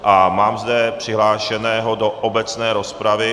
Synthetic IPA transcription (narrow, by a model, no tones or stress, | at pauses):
ʔamaːmzdɛpr̝̥ɪɦlaːʃɛnɛːɦodo̞ʔobɛt͡snɛːɾospɾavɪ